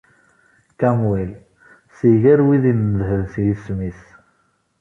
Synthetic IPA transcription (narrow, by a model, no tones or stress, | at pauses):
kæmwil | siʝæɾwiðinəðɦəðθjismis